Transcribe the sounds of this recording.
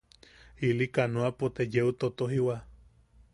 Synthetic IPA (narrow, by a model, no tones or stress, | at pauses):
ilikanuapot̪ejeut̪ot̪oɦiwa